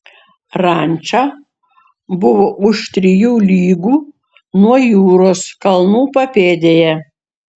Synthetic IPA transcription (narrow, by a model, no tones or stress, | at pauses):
ɾɑnʲt͡ʃʲaː | bʊʋoːʔʊʃt̪ʲɾʲɪjuːlʲiːɡuː | nuɔjuːɾoːskɐlˠnuːpɐpʲeːd̪ʲeːjɛ